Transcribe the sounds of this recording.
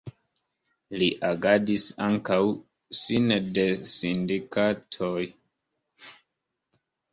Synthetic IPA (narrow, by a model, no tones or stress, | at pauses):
liʔaɡadisa̰ŋkaw | sinde̞sindikatʰoj